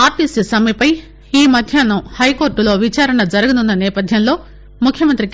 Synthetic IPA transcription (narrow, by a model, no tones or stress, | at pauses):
aːɾʈisisɐmɐipɐj | iːmɐd̪ʱjaːnɐhɐjko̞ːɾʈulo̞ːʋit͡ʃaːɾɐɳɐd͡ʒɐɾɐɡɐnunːɐnɛːpɐd̪ʱjɐmlo̞ː | mukʰjɐmɐnt̪ɾi